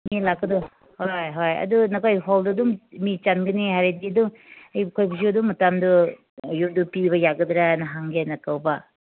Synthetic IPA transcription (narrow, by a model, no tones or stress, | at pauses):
milakːɐdɔ | hojɦojɐ̰dunɐkʰojɦoldɐduŋmit͡ʃanɡɐniɦaɾediɐduŋ | ɐjkʰojbʰis̬iɐduŋmɐtamdu | jumdupibɐjaɡɐd̪ɾanɐɦaŋɡenɐkawbɐ